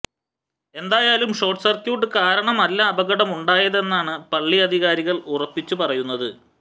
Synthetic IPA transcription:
e̞nd̪aːjaːlumʂo̞ːrʈsɐrkjuːʈːɨkaːɾɐɳɐmɐlːaːbɐɣɐɽɐmuɳɖaːjɐðe̞nːaːɳɨpɐɭːiɐd̪ʱiɣaːɾiɣɐɭurɐpːit͡ɕːupɐrɐjunːɐðɨ

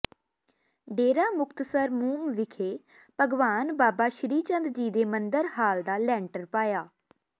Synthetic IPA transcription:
ɖeːɾaːmʊkt̪səɾmuːmʋɪkʰeː | pəɡʋaːnbaːbaːʃɾiːt͡ʃə̃nd̪d͡ʒiːd̪eːmənd̪əɾhaːld̪aːlɛ̃ːɳʈəɾpaːjaː

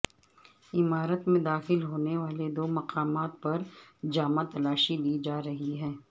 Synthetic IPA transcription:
ɪmaːɾət̪mẽd̪aːxɪlɦoːneʋaːled̪oːmɐqaːmaːt̪̚pɐɾd͡ʒaːmãt̪ɐlaːʃid̪iːd͡ʒaːɾɐɦiɦɛː

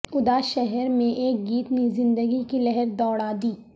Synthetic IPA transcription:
ʊd̪aʃɛɦɛɾmẽʔeːk̚ɡiːt̪nezɪ̃nd̪əɡikilɛɦɛɾd̪ɔːɽad̪iː

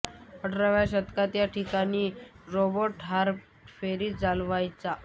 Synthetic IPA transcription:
əʈɾaʋjaɕət̪kat̪jaʈʰikaniːɾobəʈɦaɾp | feɾiːd͡zalʋajt͡sa

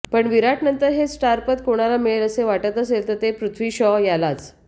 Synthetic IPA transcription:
pəɳʋiɾaʈnənt̪əɾɦessʈaɾpət̪̚koɽ̃alamiɭeləseʋaʈət̪əselt̪əɾt̪epɾut̪ʰʋiːɕɔjalat͡s

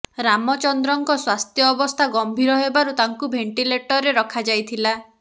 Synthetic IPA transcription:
ɾamɔt͡ʃɔnd̪ɾɔŋkɔswast̪ʰjɔːbɔst̪ʰaɡɔmbʱiɾɔɦebaɾut̪aŋkubʱeɳʈileʈɔɾeɾɔkʰad͡ʒajt̪ʰila

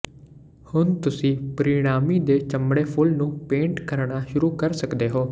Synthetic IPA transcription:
hʊnt̪ʊsĩːpəɾɪɽ̃aːmiːd̪eːt͡ʃəmɽeːpʰʊlnũːpẽːɳʈkəɾɳaːʃʊɾuːkəɾsəkd̪eːɦoː

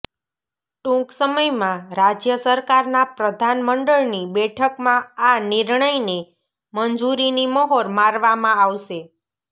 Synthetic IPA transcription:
ʈũksəməjmãɾad͡ʒjəsəɾkaɾnapɾəd̪ʱanməɳɖəɭnibɛʈʰəkmãanɪɾɳəjne | mənd͡ʒuɾinimɔɦoɾmaɾʋamãaʋʃe

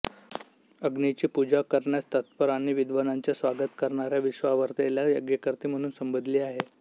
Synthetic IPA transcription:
əɡnit͡ɕiːpud͡ʑakəɾɳjat͡st̪ət̪̚pəɾañiʋid̪ʋənaɲt͡ɕjasʋaɡət̪kəɾɳaɾjaʋiɕʋaʋəɾt̪eljajəɡjəkəɾt̪iːm̤əɽ̃uːnsəmbəd̪ʱliːaɦe

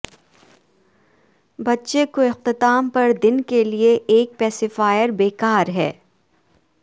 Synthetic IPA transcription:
bɐtːʃekoɪq̚t̪ɪt̪aːmpɐɾd̪ɪnkelieʔeːk̚pɛːsefaːjəɾbeːkaːɾɦɛː

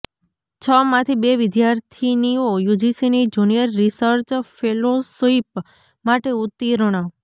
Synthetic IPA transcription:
t͡ʃʰəmãt̪ʰibeʋɪd̪jaɾt̪ʰiniojud͡ʒisinid͡ʒunijəɾːisəɾt͡ʃfʰelosoip | maʈeut̪ːiɾəɽ̃a

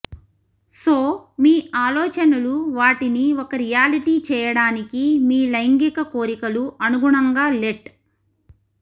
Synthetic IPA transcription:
soːmiːʔaːlɔːt͡ʃɐnuluʋaːʈiniɔkɐɾijaːliʈiːt͡ʃɛːjɐɽaːnikimiːlɐjŋɡikɐkoːɾikɐluʔɐnuɡuɳɐŋɡaːleʈ

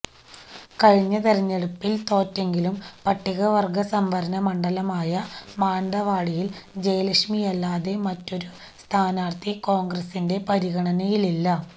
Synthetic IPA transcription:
kɐɻiɲːɐt̪eɾɐɲːeɽupːilt̪o̞ːtːe̞ŋɡilumpɐʈːiɣɐʋɐrɡɐsɐmʋɐɾɐnɐmɐɳɖɐlɐmaːjɐmaːɳɖ̪ɐʋaːɻijild͡ʑejɐlɐkʂmijɐlːaːðe̞mɐtːo̞ɾu | st̪ʰaːnaːrt̪ʰikoːŋɡrɐsinde̞pɐɾiɣɐɳɐnɐjililːɐ

